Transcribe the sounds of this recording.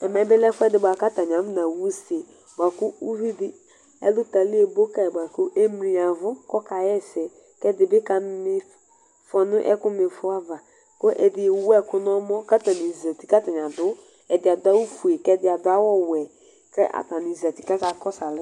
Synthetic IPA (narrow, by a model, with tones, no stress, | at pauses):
ɛ˨mɛ˨˦bɪ˦lɛ˦fʊ˦ɛ˦dɪ˨bʷa˨ka˦ta˨ɲ˨a˨˦m˦na˨wu˦se˨ | ba˨kʊ˦u˦vi˦dɪ˦ | ɛ̰˦lʊ˦ta˨lɪ˦e˨bo˦ka˨ɛ˨ba˨kʊ˦ʔe˦mɾi˨a˨vʊ˦kɔ˦ka˨jɛ˦sɛ˨ | kɛ˦dɪ˨bɪ˦ka˨˦nɪ˦ | fɔ˨nʊ̃˦ʔɛ̰˦kʊ˦mɪ˨fʊ˦a˦va˨ | kʊ˦ʔɛ˨dɪ˨wɛ˦kʊ˦nɔ˦mɔ˦ka˦ta˨nɪ˨zɛ˨ti˨ka˦ta˨ɲ˨ã˨dʊ˦ | ɛ˨dɪ˨a˨dʊ˦a˦wu˦fu˨e˨kɛ˦dɪ˦a˨dʊ˦a˦wɔ˦wɛ˨ | kɛ˦ʔa̰˨ta˨nɪ˨za˨ti˨ka˦sa˨kɔ˦sa˨lɪ˦